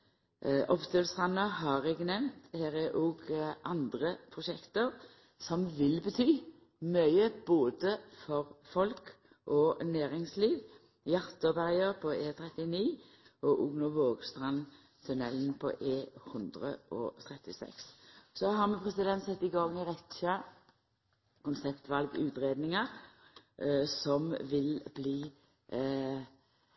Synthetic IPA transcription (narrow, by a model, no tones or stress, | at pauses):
ʔɔpt̪ʰøːlst̪ʁɑnːəɦɑʁɛɡənɛʋnt̪hæːʁɛʔoːɡʔɑnd̪ʁəpʰʁʊʃɛkt̪əʁ | sɔmʋɪlbət̪ʰyː | mœʏəb̥oːd̪əfɔʁfɔlk | ʔɔnæːʁɪŋsliːʋ | jɑʁt̪əbæʁjəʁpʰɔeːt̪ʰɾɛt̪ɪniː | ɔʔʊɡnʊʋoːɡst̪ʁɑn | t̪ʰʉnɛlnpʰɔ̰ʔeːhɵnd̪ʁə̰ʔɔ̰t̪ʰʁɛt̪ːɪsɛ̰kssɔhɑʁmɛpʰʁɛsɪd̪ɛnt̪sɛt̪ːɪɡɑŋɪʁɛt̪ʃɑ | kʊnsɛpt̪ʋɑlɡʉ̰ːt̪ʁeːd̪nɪŋəʁ | sɔmʋɪlbliː